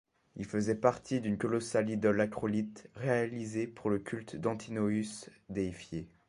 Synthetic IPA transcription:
ilfəzɛpaʁt̪ʰid̪ynkɔlɔsalid̪ɔlakχɔlit̪ʁealizepuʁləkʲʰylt̪d̪ɑ̃t̪ʰinoysd̪eifje

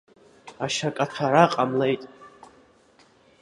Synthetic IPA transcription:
aʃakʼat͡sʷʰaɾaqʼamlejtʼ

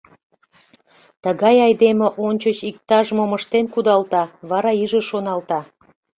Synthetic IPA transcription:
t̪əɣɑjɑjd̪emeʔonʲt͡ɕət͡ɕik̚t̪ɑʒmoməʃt̪enkud̪ɑlt̪ɑβɑɾɑiʒeʃonɑlt̪ɑ

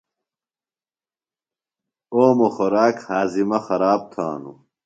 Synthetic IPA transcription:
oːmoxoɾaːkhaːzimɐxɐɾaːb̚t̪ʰa̰ːnṵ

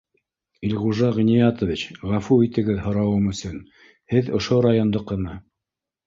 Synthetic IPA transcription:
ilʲʁuʒɑʁĭnijɑt̪ŏvʲit͡ɕʁæfuit̪ɘ̆ɡɘðhŏɾɑwɤmɵ̆sɵn | hɘðŏʃoɾajond̪oqːɤ̆nɑ

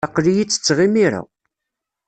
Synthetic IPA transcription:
ɑqːlijit͡sːə̥t͡sːʁimiɾa̰

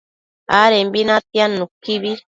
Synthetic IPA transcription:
aɾembinat̪janukːiβi

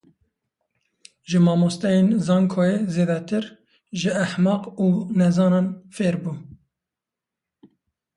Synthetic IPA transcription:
ʒɨmɑːmost̪ɛjeːnzɑːŋkʰoːjezeːd̪ɛt̪ʰɨɾ | ʒɪæħmɑːquːnɛzɑːnɑːnfeːɾbuː

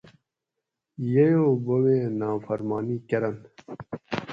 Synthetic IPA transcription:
jejoːbowẽːnaːfɐɾmɑːniːkɐɾɐn

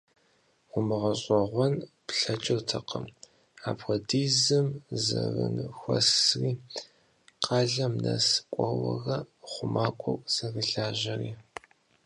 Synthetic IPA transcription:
ʊmɨʁɐɕʼɔʁʷɔn | pɬɐt͡ʃʼɪrtʰɐqəm | aːpxʷɔdiːzɨmzɐvɨnɨxʷɔ̰sriː | qɑːɮɐmnɐskʷʼɔwɐɣɐχʷʊmʔaːkʷʼɔkʷʼsɐɣɨɬaːʒɐriː

